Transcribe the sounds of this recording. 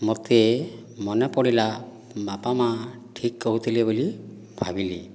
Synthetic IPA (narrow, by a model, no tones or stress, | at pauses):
mot̪emɔnepɔɽila | bapamaʈʰikːɔɦut̪ʰileboli | bʱabili